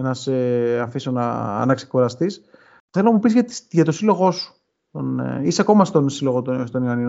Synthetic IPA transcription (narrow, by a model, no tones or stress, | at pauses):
enɐseɐfisonɐ̰ɐ̰nɐkskuɾɐst̪is | θelonɐmupizʝɐt̪ʝɐt̪o̞silo̞ɣo̞su̥ | t̪on̰iseɐko̞mɐst̪onsilo̞ɣot̪ost̪o̞nioni